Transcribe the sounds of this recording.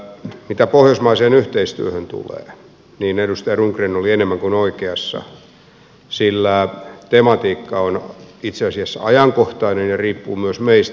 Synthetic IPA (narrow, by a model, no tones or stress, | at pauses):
mit̪æpohjosmɑiseːnyht̪eist̪y̰øhønt̪ṵlḛː | niːnedust̪ɑjɑruŋkrenolienemːæŋkunoikeɑsːɑ̰ | silːæt̪emɑt̪iːkːɑonit̪seɑsiɑsːɑɑjɑŋkoht̪ɑinenjɑriːpːuːmyøsmeist̪